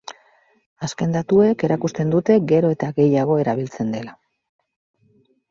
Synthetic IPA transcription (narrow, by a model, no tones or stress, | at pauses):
aske̞nd̪at̪ue̞ke̞ɾakust̪e̞nd̪ut̪e̞ɡe̞ɾo̞e̞t̪aɣe̞jaɣ̞o̞e̞ɾaβ̞ilt͡se̞nd̪e̞la